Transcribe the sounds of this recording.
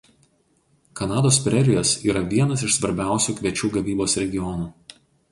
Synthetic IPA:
kɐnɑːd̪oːspʲɾʲɛɾʲɪjoːsiːɾɐʋʲiɛnɐs̬ɪʃsʋɐɾʲbʲæˑʊsʲuːkʲʋʲiɛt͡ʃʲuːɡɐʋʲiːboːsɾʲɛɡʲɪjɔnuː

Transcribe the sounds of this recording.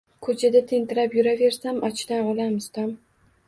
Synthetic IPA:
kʰɵt͡ʃʰad̪at̪ʰenʲt̪ʰɪɾapjʊɾave̞ɾsamʔɒt͡ʃʰd̪anɒlamɪzt̪ʰɒm

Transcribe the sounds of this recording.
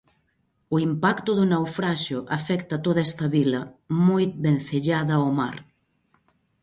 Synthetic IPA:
ʊimpakt̪ʊðʊnawfɾaʃʊʔafɛkt̪ɐat̪oðɐɛst̪ɐβilɐmojt̪̚benθeʎaðɐoma̰ɾ

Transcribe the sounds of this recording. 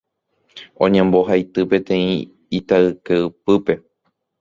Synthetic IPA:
õ̞ɲẽmbo̞ɦajt̪ɨpe̞t̪ẽ̞ĩ | it̪aɨkeɨpɨpe̞

